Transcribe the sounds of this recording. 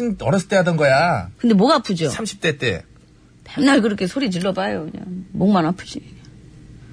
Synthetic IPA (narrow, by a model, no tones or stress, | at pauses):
inʌɾʌsʰʌ̥t͈eɦadʌnɡʌjakɯndemwʌɡapʰud͡ʑosʰamɕʰi̥p̚t͈e̞t͈ḛ | peŋnaɭkɯɾʌkʰe̞sʰoɾitɯɭːʌbajokɯɲa̰ŋmoŋmanapʰɯd͡ʑi